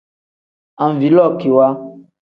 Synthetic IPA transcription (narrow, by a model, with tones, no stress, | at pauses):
ã˨m˨vi˨˦lɔ˦˨ki˨wa˦